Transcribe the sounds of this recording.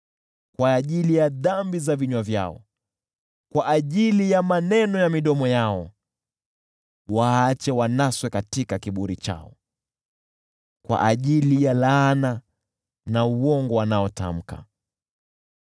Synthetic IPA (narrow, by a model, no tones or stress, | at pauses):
kwaːʄilijaðambizaviɲwavja̰ɔ̰ | kwaʔaʄilijamanɛnɔjamiɗɔmɔjaɔ | waat͡ʃɛwanaswɛkatikakiɓuɾit͡ʃa̰ɔ̰ | kwa̰ʔaʄilijalana | nauwɔŋɡɔwanaɔta̰m̩ka̰